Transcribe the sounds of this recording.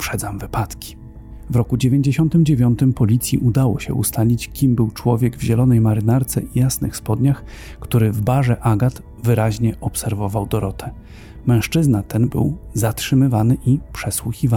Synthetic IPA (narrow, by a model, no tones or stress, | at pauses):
pʂɛd̪zamvɘpat̪kʲi̥ | vɾɔkud͡ʑevʲjeɲd͡ʑeɕɔnt̪ɘmd͡ʑevʲjɔnt̪ɘmpɔlʲit̪sʲjiʔud̪awɔɕɛ̰ʔṵst̪alʲit͡ɕkʲimbɘwt͡ʂwɔvʲjɛɡvʑɛlɔnɛjmaɾɘnaɾt̪sɛʔijasnɘxspɔd̪ɲax | kt̪uɾɘvbaʐɛʔaɡat̪ | vɘɾaʑɲɛʔɔpsɛɾvɔvawd̪ɔɾɔt̪ʰɛ | mɛ̃w̃ʂt͡ʂɘznat̪ɛnbɘ̰wzatʂɘmɘvanɘʔipʂɛswuxʲiva